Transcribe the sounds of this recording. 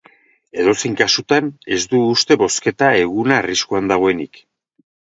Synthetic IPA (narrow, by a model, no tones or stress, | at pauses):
e̞ðo̞sejŋkasut̪ane̞zd̪uːst̪e̞βo̞ske̞t̪ae̞ɣunaːriskuand̪aɣ̞o̞e̞nik